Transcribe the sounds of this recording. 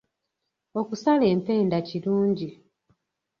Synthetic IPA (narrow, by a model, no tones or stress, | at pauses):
o̞kusaleːmpe̞ːndaciluːɲɟi